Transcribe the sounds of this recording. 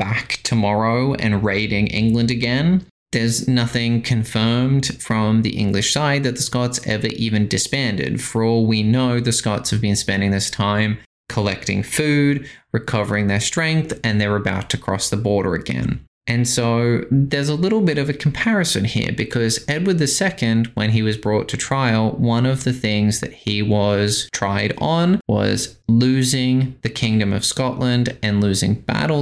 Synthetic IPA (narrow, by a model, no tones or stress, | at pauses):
b̥æktʰəmɑɹoʊɨ̰̃nɹeɪɾɪ̃ŋʔɪ̰̃ŋɡlə̃ndɨɡɛ̃n | ðə˞znʌθɪ̃ŋkʰɨ̃ɱfɜ̃˞md̥fɹʌ̃mðḭʔɪ̰̃ŋɡlɨʃsaɪd̪̚ðɨt̪̚ðəskɑtsɛ̰və̰˞ʔivɨ̃ndɨspæ̃ndɨ̰d̥fə˞ɔlˠwinoʊðɨskɑtshɨvbɨ̃nspɛ̃ndɪ̃ŋðɪstʰãɪ̃m | kʰəlɛk̚tɪ̰̃ŋfʉdɹɨkʰʌvə˞ɪ̃ŋðə˞stɹ̥ɛ̃ŋk̚θɨ̃nðə˞ɨbaʊtʰɨkʰɹ̥ɔ̰sðəbɔɹɾə̰˞ɨ̰ɡɛ̰̃n | ʔɨ̃nsoʊðə˞zəlɪɾl̩ˠbɪɾʌvɨkʰm̩pʰɛɹɨsɨ̃nhḭɹbɨkʰʌzɛd̚wə˞d̪̚ðɨsɛkɨ̃ndwə̃niwʌzbɹɔtʰɨtʰɹ̥aɪl̩ˠwʌ̃nʌvðɨθɪ̃ŋzðɨ̰t̚hiwʌz̥tʰɹ̥aɪɾn̩wʌ̰z̥lʉzɪ̃ŋðɨkʰɪ̃ŋdɨ̃mʌ̰v̥skɑʔˡlə̃ndɨ̃nlʉzɪ̃ŋb̥æ̰ɾl̩ˠ